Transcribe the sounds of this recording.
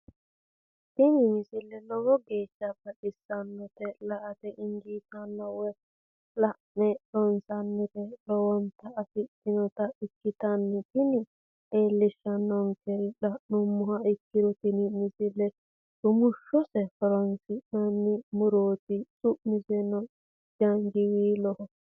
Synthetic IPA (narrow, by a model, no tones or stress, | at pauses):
t̪ɪnɪmɪsɪlːɛlɔwɔɡeːʃːɐbɐɗɪsːɐnːɔt̪ɛlɐʔɐt̪ɛʔɪŋd͡ʒiːt̪ɐnːɐwɔj | lɐʔnɛɗɔnsɐnːɪtɛlɔwɔnt̪ɐːfɪt̪ːɪnɔt̪ɐɪkːɪt̪ɐnːɪt̪ɪnɪ | eːlːɪʃːɐnːɔŋkɛɾlɐʔnʊmːʊhɐɪkːɪɾɔt̪ɪnɪnɪsɪlɛ | sʊmʊʃːɔsɛfɔɾɔnsɪnɐnːɪmʊɾoːt̪ɪsʼʊʔnɪsɛnɔ | d͡ʒɐŋd͡ʒɪwiːlɔhɔ